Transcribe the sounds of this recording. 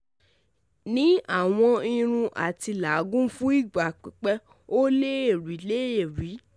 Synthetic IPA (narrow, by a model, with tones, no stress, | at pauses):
nĩ˦a˦˨w̃ɔ̃˧i˧ɾ̃ũ˧ʔa̰˨ti˧la˨˦ɡũ˦fũ˦i˦˨ɡ͡ba˨k͡pi˨k͡pɛ˦ | o˦le˦e˦˨ɾi˨˦le˦e˨ɾi˨˦